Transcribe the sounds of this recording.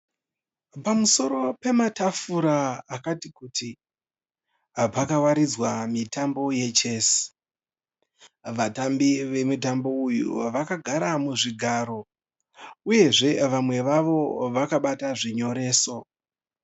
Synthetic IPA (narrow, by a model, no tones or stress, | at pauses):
pamuso̞ɾo̞pe̞matafuɾaːkatikuːti | pakawaɾid͡zwamitambo̞je̞t͡ʃe̞si̥ | ʋatambiʋe̞mut̬ambo̞ujṵʋakaɡʱaɾamuʐiɡʱaːɾo̞ | uje̞ʐe̞ʋamwe̞ʋaʋo̞ʋakaɓataʐiɲo̞ɾe̞ːso̞